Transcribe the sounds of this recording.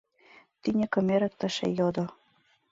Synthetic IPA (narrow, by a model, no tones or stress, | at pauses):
t̪inʲɘ̆kɤ̆meɾɘ̆t̪ːə̆ʃḛjod̪o